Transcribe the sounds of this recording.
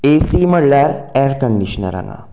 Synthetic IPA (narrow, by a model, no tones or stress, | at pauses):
esiməɽljaɾeɾkəɳɖiɕənə̰ɾa̰ŋa̰